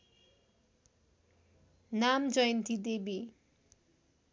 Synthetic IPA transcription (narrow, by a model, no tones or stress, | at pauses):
namd͡zʌjʌnt̪id̪ebi